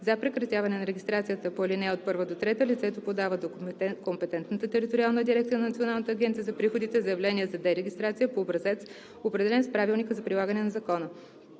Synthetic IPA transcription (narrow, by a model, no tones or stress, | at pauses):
zɐpɾɛkɾɐt̪ʲjavɐnɛnɐɾɛɡʲist̪ɾat̪sijət̪əpolinɛot̪̚pɤɾvəd̪ot̪ɾɛt̪əlit̪sɛt̪opod̪avəd̪okompɛt̪ɛnt̪nət̪ət̪ɛɾit̪oɾialˠnəd̪iɾɛk̚t̪iənɐnɐt̪sionalˠnət̪əːɡʲɛnt̪sijəzɐpɾixod̪it̪ɛzɐjɛvlɛniɛzɐd̪ɛɾɛɡʲist̪ɾat̪sijəpoːbɾɐzɛt̪s | opɾɛd̪ɛlɛnspɾavilˠnikəzɐpɾilˠaɡənɛnɐzɐkɔnə